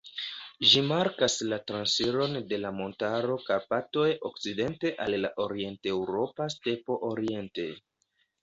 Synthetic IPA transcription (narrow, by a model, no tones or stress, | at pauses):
ʒimaɾkaslatɾansiɾo̞nde̞lamo̞ntaɾo̞kapato̞jo̞kt͡side̞nte̞ʔalːa̰ʔo̞ɾie̞nte̞wɾo̞paste̞po̞ʔoɾie̞nte̞